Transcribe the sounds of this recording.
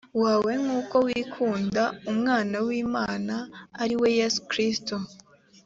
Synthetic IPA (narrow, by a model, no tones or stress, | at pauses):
waːwe̞ŋuːko̞wiːkʰuːndaumŋaːnawiːmaːnaːɾiwe̞je̞su̥kɾisto